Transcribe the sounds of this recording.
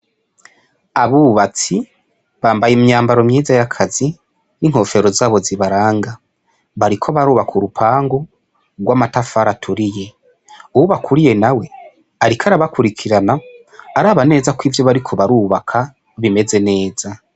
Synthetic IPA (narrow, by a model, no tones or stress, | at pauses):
aβuβat͡si | βaːmbajemɲaːmbaɾomɲiːzajakʰazi | niŋ̥ho̞ːfe̞ɾo̞zaːβo̞ziβaɾaːŋɡa | βaɾikʰoβaɾuːβakʰuɾupʰaːŋɡo | ɡwaːmatafaːɾatʰuɾije̞ | uwuβakʰuɾije̞nawe̞ | aɾikʰaɾaβakuɾikʰiɾanaː | ɾaːβane̞ːzakwiːvjo̞βaɾikʰo̞βaɾuːβakʰa | βime̞ze̞ne̞ːza